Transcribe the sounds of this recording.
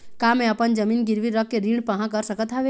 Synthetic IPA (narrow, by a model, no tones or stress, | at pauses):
kamẽɐpənd͡ʒəmiːnɡɪɾʋiɾək̚keɾiːɽpɐɦãkəɾsəkət̪ɦaʋe